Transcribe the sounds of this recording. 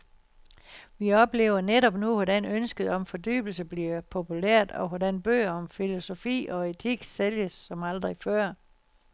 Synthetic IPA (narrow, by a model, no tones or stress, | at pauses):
ʋiɒ̽b̥le̝̰ːʊɐneɾɒ̽b̥nuʋɒdænønsɡ̥əð̩ˠɒ̽mfɒ̽d̥y̰ːb̥l̩səb̥liɐpʰo̝pʰuleɐ̰d̥ɒ̽ʋɒd̥ænb̥ø̰ːɐɒ̽mfilo̝so̝fḭːɒ̽e̝t͡sʰiɡ̥seljəsːɒ̽mɑld̥ʁifɶɐ̰